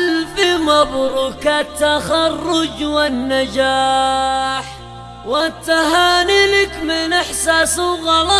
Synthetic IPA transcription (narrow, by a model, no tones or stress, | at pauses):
llfɪmɑbɾˤʊkat̪ːaxɑrˤːʊd͡ʒwanːad͡ʒaː | ħ | wat̪ːaɦaːnɪlɪkmɪnɪħsaːsʊɣɑlɑ